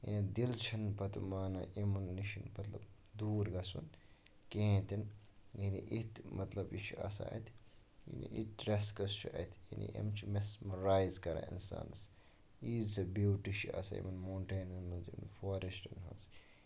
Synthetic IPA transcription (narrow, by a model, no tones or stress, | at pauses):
jḭnid̪ilt͡ʃʰɐnpɐt̪maːnɐʔemunːiʃɐnpɐt̪lɐ̰b | d̪uːɾɡɐsun | kẽːt̪injiniʔit̪mɐt̪lɐbjit͡ʃʰiɐ̰sa̰ɐ̰t̪ʰ | jḭnḭʔit̪̚ɖɾeskɐst͡ʃʰiɐ̰t̪ʰjḭnḭḛmt͡ʃʰimesmɐɾaːjzkɐɾa̰ḭnsa̰ːns | iːzsɐbuːʈit͡ʃʰiɐ̰sɐ̰ḭmɐnmoːɳʈeːnɐnmɐnd͡ʒḭmnfoːɾesʈɐnɦɐ̰s